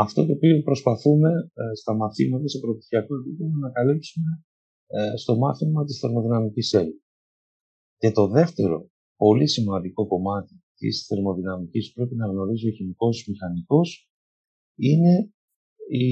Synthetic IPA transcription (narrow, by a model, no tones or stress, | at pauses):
ɐft̪o̞̰t̪o̞ːpio̞pɾo̞spɐθume̞st̪ɐmɐθimɐt̪ɐsepɾop̚t̪i̥θiɐko̞t̪ipolonɐkɐlipsume̞ | st̪o̞mɐθimɐt̪isθe̞ɾmo̞ðinɐmicisel | ce̞t̪o̞ðe̞ft̪e̞ɾo̞̰ | po̞lisimɐnd̪iko̞ko̞mɐt̪it̪ḭsθe̞ɾmo̞ðinɐmicispɾe̞pinɐɣno̞ɾizio̞çiniko̞zmixɐniko̞s | ine̞ | i